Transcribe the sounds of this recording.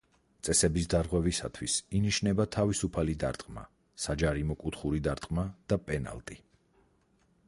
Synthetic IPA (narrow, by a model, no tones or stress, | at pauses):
t̪sʼɛsɛbisd̪aɾʁwɛvisa̰t̪ʰwisiniʃnɛbat̪ʰavisupʰalid̪a̰ɾt̪ʼqʼma̰ | sad͡ʒaɾimɔkʼut̪ʰχuɾid̪aɾt̪ʼqʼmad̪̥apʼɛna̰lˠt̪ʼi